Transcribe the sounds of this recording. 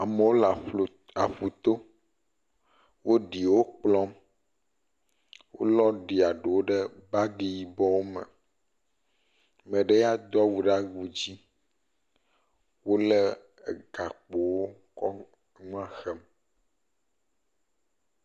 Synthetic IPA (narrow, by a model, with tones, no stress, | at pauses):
a˨mə˨wo˦l | a˨ɸu˨t̪o˦ | wo˦ɖi˨wo˦k͡plɔ˦m | wʔo̰˦lɔ˦ɖi˨a˨ɖe˨wo˦ɖe˦ba˦ɖi˨ji˨bɔ˦wo˦mə̰˨ | mɛ̃˨ɖe˦ja˦d̪ɔ˦wu˨ɖa˦ɡu˨d͡ʑi˦ | wo˦le˦˨ | ɡa˨k͡po˨wo˦ | kɔ˦ | ŋũ˦a˨xɛ˨m